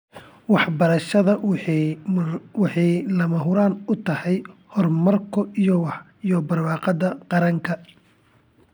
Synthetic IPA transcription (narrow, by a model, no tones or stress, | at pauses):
wɑħbɐɾɐʃɐðɐ | wɑħɑjlɐmɐɦʊɾaːnʊt̪ʰɐhɛjhɔrmɐrkʰɔijɔwɑħ | ijɔbɐrwɑːqɑd̪ɐqɑɾɐŋkʰɐ